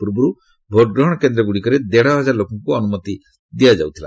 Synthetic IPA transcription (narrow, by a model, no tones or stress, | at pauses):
puɾbɔɾu | bʱoʈ̚ɡɾɔɦɔɽ̃ɔkend̪ɾɔɡuɽikɔɾed̪eɽɔɦɔd͡ʒaɾlokɔŋkuɔnumɔt̪i | d̪ijad͡ʒawt̪ʰila̰